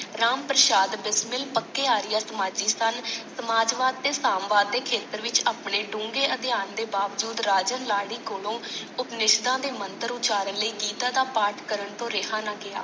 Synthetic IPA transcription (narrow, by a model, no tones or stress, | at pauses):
ɾaːmpɾəʃaːd̪bɪsmɪlpəkːeːaːɾɪjaːsəmaːd͡ʒiːsənsəmaːd͡ʒʋaːd̪̚ːeːsaːmʋaːd̪̚ːeːkʰeːt̪əɾʋɪt͡ʃaːpɳeːɖũːŋɡeːʔəd̪ɪjaːnd̪eːbaːʋd͡ʒuːd̪ɾaːd͡ʒənlaːɽiːkoːlõːʊpnɪʃd̪ãːd̪eːmənt̪əɾʊt͡ʃaːɾənləiːɡiːt̪aːd̪aːpaːɾʈʰkəɾəɳt̪õːɾɪɦãːnaːɡɪa̰ː